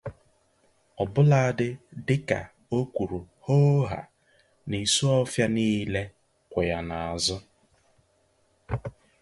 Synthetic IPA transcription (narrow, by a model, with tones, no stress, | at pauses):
ɔ˨bʊ˦la˦a˦dɪ˦dɪ˦ka̰˨ | o˦kʷu˨ɾu˨ | ho˦ɦa̰˨ | ni˨su˦ɔ˦fja˦niː˦le˦ | kʷʊ˨ja˨na˨a˨zʊ˦